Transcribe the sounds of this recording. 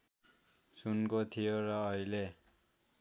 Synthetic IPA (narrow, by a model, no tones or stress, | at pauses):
sunkot̪ʰijoɾʌːile